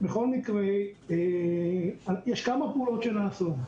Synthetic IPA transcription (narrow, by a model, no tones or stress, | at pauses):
beχo̞lmikʁee | ajɛʃkamapeuːlo̞t̪ʃenaːsu